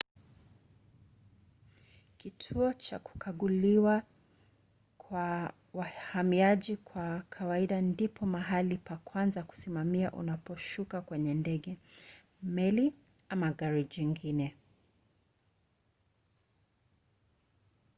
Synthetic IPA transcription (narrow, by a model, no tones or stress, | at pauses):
kitʰuɔt͡ʃa̰ku̥kʰaɠuliwa | kʰwa | wahamiaʄikʰwakʰawaiɗandipʰɔmaɦalipakwanzaku̥simamiaʔṵnapɔʃukakwɛɲɛndɛɠɛ | mɛli | amaɡaɾiʄiŋɡinɛ